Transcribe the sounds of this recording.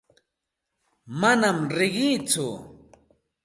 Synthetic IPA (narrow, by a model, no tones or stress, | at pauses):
manamɾɪɢɪjt͡sʊ